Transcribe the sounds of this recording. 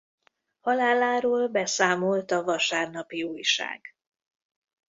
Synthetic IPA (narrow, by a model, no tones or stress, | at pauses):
hɒlaːlaːɾoːlbɛsaːmo̞lt̪ɒvɒʃaːrnɒpiuːjʃa̰ːɡ̥